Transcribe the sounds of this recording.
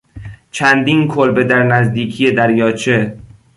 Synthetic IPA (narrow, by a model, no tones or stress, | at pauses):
t͡ʃʰænd̪iːnkʰolbe̞d̪æɾnæzd̪iːkʰijed̪æɾjɒːt͡ʃʰe